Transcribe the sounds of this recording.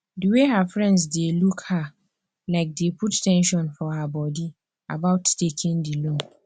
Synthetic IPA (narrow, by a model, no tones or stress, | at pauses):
duweɦafɹɛ̃ndsdelukha | laɪk̚depʰuttʰːɛ̃nʃɔ̃nfɔabɔdi | a̰baʊttekʰɪ̃ndilũm